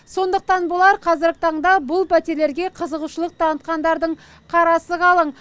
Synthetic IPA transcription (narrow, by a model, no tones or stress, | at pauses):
so̞nd̪əq̚t̪ɑnbʊlˠɑɾqʰɑzɪɾɡʲɪt̪ʰɑɴd̪ɑbʊlˠpʰæt̪e̞ɾle̞ɾɡʲe̞qʰəzəʁuʃəlˠəq̚t̪ʰɑnət̪̚qɑnd̪ɑɾd̪əɴ | qʰɑɾɑsəʁʰɑlˠəɴ